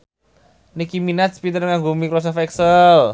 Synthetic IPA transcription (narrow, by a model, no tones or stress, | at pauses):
nikiminat̪̚spit̪ərŋaŋɡomikɾosɔfɛksəl